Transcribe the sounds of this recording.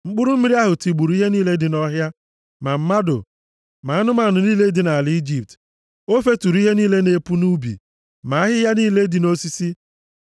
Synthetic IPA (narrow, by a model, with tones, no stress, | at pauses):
ŋ͡m̩˦k͡pʊ˦ɾʊ˦m̩˦mi˦ɾi˦a˦ɦʊ˨ti˨ɡ͡bu˨ɾu˦i˦ɦe˦niː˦le˦dɪ˨nɔ˦ɦja˦ | ma˨m̩˦ma˦do̰˨ | ma˨a˦nʊ˦ma˨nʊ˨niː˦le˦dɪ˨na˨a˨lɪ˨˦i˦d͡ʒi˨p̚t | o˦fe˦tu˨ɾu˦i˦ɦe˦niː˦le˦ne˦pu˦nu˦bḭ˨ | ma˨a˦ɦɪ˦ja˦niː˦le˦dɪ˨no˦si˦si˦